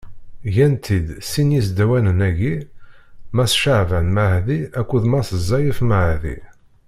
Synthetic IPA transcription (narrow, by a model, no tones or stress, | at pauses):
ʝænt̪ʰid̪sinjisd̪æwænənæʝi | mæsʃaʕvænmahðiækʷːuðmæsəzˤːɑjəfməʕðḭ